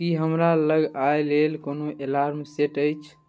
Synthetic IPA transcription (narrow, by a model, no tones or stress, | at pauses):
kiɦəmɾaləɡajlelkonoʔelaɾmseʈəjt͡ʃʰ